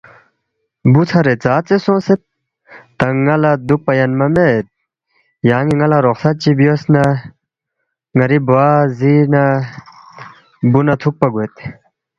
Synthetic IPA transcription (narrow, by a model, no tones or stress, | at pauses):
but͡sʰɐɾet͡saːt͡sesõːset̪̚ː | ɐŋɐlad̪uk̚pɐjɐnmɐmet̪̚ | jaːŋiŋɐlaɾoxsɐt̪̚t͡ɕibjosna | ŋɐɾiboazina | bunɐt̪ʰuk̚pɐɡuet̪